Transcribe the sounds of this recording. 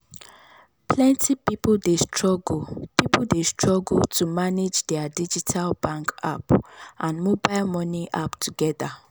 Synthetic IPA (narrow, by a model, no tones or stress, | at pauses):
pʰlɛ̃ntʰipipoldestʰɹɔɡpipodestʰɹɔɡultʰumaned͡ʒdɛadid͡ʒitʰalbãŋka̰pʔãnmobaɪlmɔniʔa̰ptʰuɡɛda